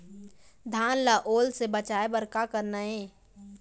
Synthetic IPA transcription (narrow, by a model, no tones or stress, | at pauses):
d̪ʱaːnlaʔoːlsebət͡ʃaːebəɾkakəɾnaẽː